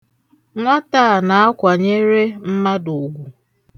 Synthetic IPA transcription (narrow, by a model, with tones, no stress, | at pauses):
ŋʷa˦taː˦˨na˨a˦kʷa˨ɲe˦ɾe˦m̩˦ma˦dʊ˨ɡʷu˨